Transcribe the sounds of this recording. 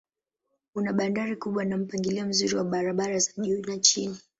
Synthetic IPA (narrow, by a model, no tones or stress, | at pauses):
kunaɓandaɾikuɓwanam̩paŋɡiliam̩zuɾiwaɓaɾaɓaɾazaʄunat͡ʃini